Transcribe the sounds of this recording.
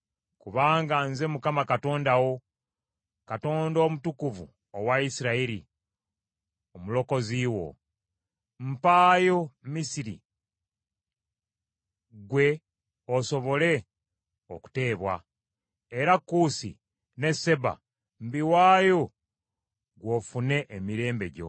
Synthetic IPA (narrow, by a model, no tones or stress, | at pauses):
kuβaːŋɡanze̞mukamakato̞ːndawo̞ | kato̞ːndo̞ːmutukuvṵ | owaisiɾaiɾḭ | omulo̞ko̞ziːwo̞̰ | m̩paːjo̞misiɾḭ | ɡwe̞ | oso̞βo̞le̞ | oku̥te̞ːβwa̰ | e̞ɾakːusḭ | ne̞se̞ba̰ | mbiwaːjo̞ | ɡwofune̞ʔemiɾe̞ːmbe̞ɟo̞̰